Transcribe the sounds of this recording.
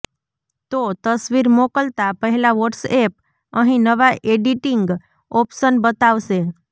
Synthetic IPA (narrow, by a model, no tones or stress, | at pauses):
t̪ot̪əsʋiɾmokəlt̪apəɦilaʋoʈsep̚ | əɦĩnəʋaʔeɖiʈiŋɡ | ɔpsənbət̪aʋse